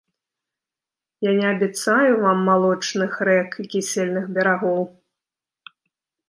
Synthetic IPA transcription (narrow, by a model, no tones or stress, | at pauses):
janʲɛɐbʲɛt̪sajuvamːalˠɔt͡ʂnɨxɾɛkikʲisʲɛlʲnɨxbʲɛɾaɣɔw